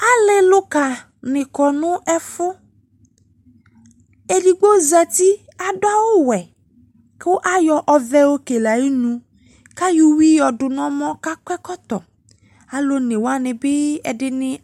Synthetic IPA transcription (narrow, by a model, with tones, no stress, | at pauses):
a˦lɪ˦lʊ˦ka˨ | nɪ̃˨kɔ˨nʊ̃˦ʔɛ˦fʊ˦ | e˨di˨ɡ͡bo˦zɛ˨t̪i˦ | a˨dʊ˦a˦wo˦wɛ˨ | kwo˦ʔa˦jɔ˦ʔɔ˦vɛ˦wo˦ke˨la˨ji˦nũ˨ | ka˦ju˦wi˦jɔ˨ɖʊ˨nɔ̃˦mɔ̃˦ka˦kʷɛ˦kɔ˦t̪ɔ˨ | a˨lo˦nɪ̃˨wo˦a˦nɪ̃˨bɪ˦ɛ̰˨dɪ˦nɪ̃˦